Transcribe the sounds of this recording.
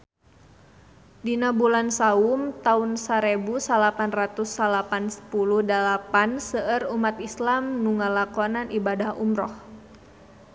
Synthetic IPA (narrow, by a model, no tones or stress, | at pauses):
dinabulansaʊmt̪aunsaɾebusalapanrat̪usːalapansə̥puluhdalapansəʔərumat̪islamnuŋəlakɔnanʔibadahumɾɔh